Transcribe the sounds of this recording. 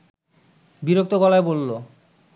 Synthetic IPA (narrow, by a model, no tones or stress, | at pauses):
biɾok̚t̪okɔlaebolːo